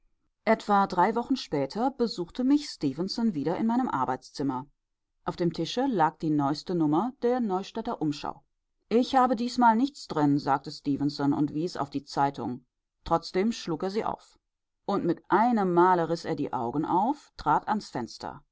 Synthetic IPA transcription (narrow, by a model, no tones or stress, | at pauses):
ʔɛtv̥adʁaɪvɔχn̩ʃpɛːtʰɐbəzuːxtʰəmɪçstiːvənsɔnviːɾɐʔɪnmaɪnəmʔa̰ɐbaɪt͡st͡sɪmɐ | ʔaʊfd̥eːmtʰɪʃəlaːk̚d̥iːnɔʏstənʊmɐd̥eːɐnɔʏʃtɛtɐʔʊmʃa̰ʊ | ʔɪçhaːbədiːsmaːlnɪçt͡sd̥ʁɪnzaːk̚təstiːvənsɔnʊ̰ntv̥iːsa̰ʊfd̥iːt͡saɪtʰʊ̰ŋ | tʁ̥ɔt͡sd̥eːmʃluːkeːɐziːʔa̰ʊf | ʔʊntmɪtʔaɪnəmːaːləʁɪsʔeːɐdḭːʔa̰ʊɡŋ̩ʔa̰ʊftʁ̥aːtansfɛnstʰɐ̰